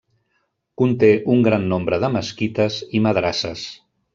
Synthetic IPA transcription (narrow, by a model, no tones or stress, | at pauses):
kunt̪eʔuŋɡɾanːombɾəðəməskit̪əziməðɾasəs